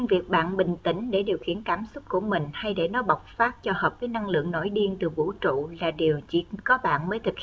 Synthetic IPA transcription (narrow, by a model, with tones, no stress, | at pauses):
ɨ˧ŋvi˨˩ək̚ɓa̰ː˧˨nɓï˨˩ŋ̟t̪ï˧˥ŋ̟ɗe˧˩ɗi˨˩əwxḭ˧˩˨ənkaː˧˩msʊ˦˥k͡p̚ku˧˩əmï˨˩ŋ̟ha˧jɗe˧˩nɔ˨˦ɓa˨˩wk͡p̚faː˦˥t̚t͡ɕɔ˧həː˨˩p̚vəː˨˦jna˧ŋlɨ̰˧˨əŋno˧˦jɗi˧ənt̪ɨ˨˩vṵ˧˥t͡ɕṵ˧˨laː˨˩ɗi˨˩əwt͡ɕi˧˩kɔ˨˦ɓa̰ː˧˨nməː˨˦jt̪ʰɨ˨˩k̚hi˨